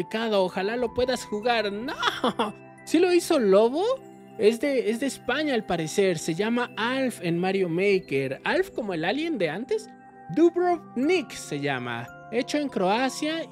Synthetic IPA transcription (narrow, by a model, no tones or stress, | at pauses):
ikaðo̞ːxalalo̞pwe̞ðasxuɣaɾno | silo̞iso̞lo̞βo | ezðe̞ezðe̞ːspaɲaːlpaɾe̞se̞ɾse̞ʝamaalfe̞nmaɾjo̞mejkeɾalfko̞mo̞e̞lalje̞nd̪e̞ant̪e̞s | d̪uβɾoβnikse̞ʝama̰ | e̞t͡ʃo̞eŋkɾo̞asja